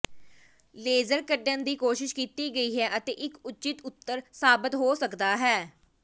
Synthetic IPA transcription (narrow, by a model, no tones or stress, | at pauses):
leːzəɾkəɖə̃nd̪iːkoːʃɪʃkiːt̪iːɡəiːɦɛːʔət̪ḛːʔɪkʊt͡ʃɪt̪ʊt̪ːəɾsaːbɪt̪ɦoːsəkd̪aːɦɛː